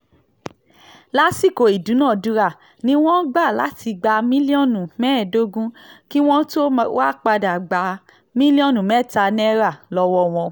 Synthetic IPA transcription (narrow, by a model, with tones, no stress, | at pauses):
la˦si˦˨ko˨i˨dũ˨˦nãː˦˨du˨˦ɾa˦˨ | nĩ˦w̃ɔ̃˦ɡ͡ba˦˨la˨˦ti˧ɡ͡ba˧mĩ˦li˦ɔ˦˨nũ˨mɛ̃˦˨do˦ɡũ˦ki˦w̃ɔ̃˦to˦wa˦˨k͡pa˧da˨ɡ͡ba˨˦ | mĩ˦li˦ɔ̃˦˨nũ˨mɛ̃˨˦˨ta˧nɛ̃˦ɾa˦˨lɔ˧wɔ˧w̃ɔ̃˧